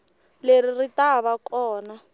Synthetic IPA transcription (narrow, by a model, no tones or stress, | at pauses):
leriritaβakɔːna